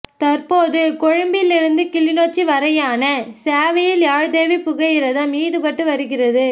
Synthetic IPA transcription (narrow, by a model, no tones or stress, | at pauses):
t̪ɐɾpoːðɯkɔɻɯmbɪlɪɾɯnd̪ɯkɪlɪnoːt͡ʃːiʋɐɾɐjaːnɐsaːʋɐjɪljaːɻd̪eːʋipʊɣɐjɪɾɐðɐ̃miːɽɯpɐʈːɯʋɐɾɯɣɪrɐðɯ